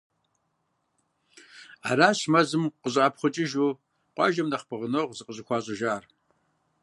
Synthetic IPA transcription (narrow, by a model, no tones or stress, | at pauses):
a̰ːɾaːɕmɐzɨmqəɕʼaːpχʷʊt͡ʃʼɪʒuː | qʷɑ̰ːʒɐmnɐχpʰɨʁənoʁzɨqəɕʼɪxʷɑːɕʼɐʒaːr